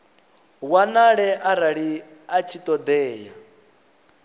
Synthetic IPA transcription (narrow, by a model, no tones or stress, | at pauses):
wanaɺɛʔaɾaɺi | at͡ʃʰit̪ʼɔd̪ɛːja